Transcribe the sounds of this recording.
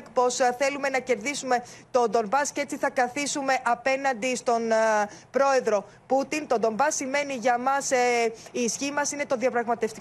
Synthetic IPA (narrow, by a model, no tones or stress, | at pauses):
kpo̞sθe̞lume̞nɐce̞ɾðisume̞t̪o̞d̪o̞mbɐscee̞t͡siθɐkɐθisume̞ʔɐpe̞nɐnd̪ist̪o̞npɾo̞e̞ðɾo̞ | put̪int̪o̞d̪o̞mbɐsːime̞niʝɐmɐsiːsçimɐsine̞t̪o̞ðiɐpɾɐɣmɐt̪e̞ft̪i